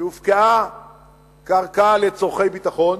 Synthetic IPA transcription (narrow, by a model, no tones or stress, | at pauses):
ufkaa | kaʁkalet͡soχejbit̪aχo̞n